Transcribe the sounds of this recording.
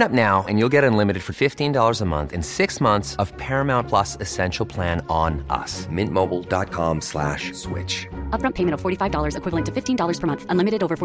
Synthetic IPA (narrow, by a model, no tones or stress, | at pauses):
nʌp̚naʊɨ̃njulˠɡɛɾɨ̃nlɪ̃mɨɾɨd̥fə˞fɪftĩndɔlˠə˞zəmʌ̰̃nθɨ̃nsɪksmʌ̃nθsʌv̥pʰɛɹɨmãʊ̃npʰl̥ʌsɨsɛ̃nʃl̩ˠpʰl̥æ̃nə̃nʔʌ̰smɪ̃nmoʊbl̩ˠdɑt̚kʰɑ̃mslæ̰ʃswɪ̰t͡ʃʌpɹʌ̃mpʰeɪmɨ̃ntʌv̥fɔɹɾifaɪvdɔlˠə˞zɨkwɪvlˠə̃ntʰɨ̥fɪftĩndɔlˠə˞z̥ʰə˞mʌ̃nθə̃nlɪ̃mɨɾɨɾoʊvə˞f